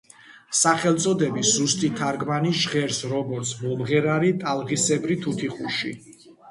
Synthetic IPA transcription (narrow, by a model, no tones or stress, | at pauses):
saχɛlˠt̪sʼɔd̪ɛbiszust̪ʼit̪ʰaɾɡmaniʃʁɛɾsɾɔɡɔɾt̪sʰmɔlʁɛɾaɾit̪ʼalˠʁisɛbɾit̪ʰut̪ʰiχuʃḭ